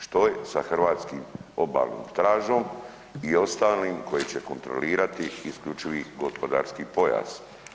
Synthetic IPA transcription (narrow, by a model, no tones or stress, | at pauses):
ʃt̪o̞jesaxrʋaːt̪skiːmo̞ba̰ːlno̰ːmt̪ɾaːʒo̞m | io̞st̪aːliːmko̞jet͡ɕe̞ko̞nt̪ɾo̞̰liːɾat̪iːsklʎʲut͡ʃiʋiɡo̞spo̞d̪a̰ːɾskipo̞ja̰ːz̥